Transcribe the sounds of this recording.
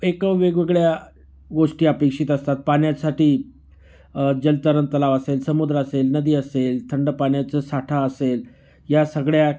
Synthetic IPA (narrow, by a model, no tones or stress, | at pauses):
ekəʋʋeɡʋəɡɭja | ɡoʂʈiːəpekʂiːt̪əst̪at̪̚paɳjasaʈʰiː | d͡ʑəlt̪əɾənt̪əlaʋəselsəmud̪ɾəəselnəd̪iːəselt̪ʰəɳɖəpaɳjat͡səsaʈʰaəsel | jasəɡɭja